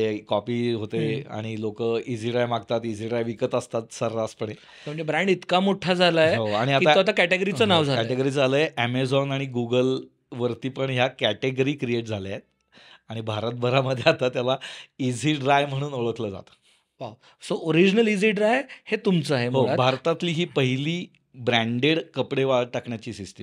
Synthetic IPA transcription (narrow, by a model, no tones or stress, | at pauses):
ekɔpiːɦot̪ea̰ɽ̃ilokəid͡zʱiʈɾajmaɡt̪at̪id͡zʱiʈɾajʋikət̪əst̪at̪səɾɾaspəɳe | t̪em̤əɳd͡ʑebɾaɳɖit̪kamoʈʰad͡zʱalajeɦoaɽ̃iatkiaoat̪akæʈeɡəɾit͡sənaʋd͡zʱalkɛʈeɡəɾiːd͡zaləːjeʔæmed͡zɔnaɽ̃iɡuɡəl | ʋəɾt̪iːpəɳɦjakæʈeɡəɾiːkɾieʈ̚d͡zʱaljet̪̚ | aɽ̃ibʱaɾət̪̚bʱəɾaməd̪ʱːjeat̪at̪ːjalaid͡zʱiʈɾajm̤əɽ̃uːnoɭəkləːd͡za̰t̪ə̥ | ʋaw | sooɾid͡ʑnəlid͡ziʈɾajhet̪umt͡səaɦemɦoabʱaɾt̪at̪liːɦiːpəɦiliː | bɾæ̃ɳɖeɽkəpɽeʋaʈakɳjat͡ɕiːsisʈ̪em